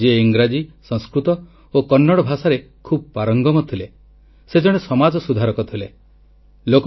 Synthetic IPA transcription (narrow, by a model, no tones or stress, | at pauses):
d͡ʒeeiŋɡɾad͡ʒisɔŋ̃skɾut̪ɔ | okɔnːɔɽɔbʱasaɾekʰub̚ɔpaɾɔŋɡɔmɔt̪ʰile | sed͡ʒɔɽ̃esɔmad͡ʒɔsud̪ʱaɾɔkɔt̪ʰile | lokɔ